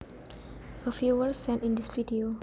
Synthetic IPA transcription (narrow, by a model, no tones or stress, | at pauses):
əfjuwəsːɛ̃ntĩndisvidio